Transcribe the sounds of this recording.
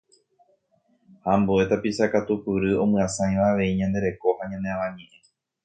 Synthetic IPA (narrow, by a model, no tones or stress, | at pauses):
hamboe̞t̪apisakat̪upɨɾɨõ̞mɨ̃ãsãj̃ʋaːʋe̞iɲãnd̪e̞ɾe̞ko̞haɲãnd̪e̞ãʋãɲẽʔẽ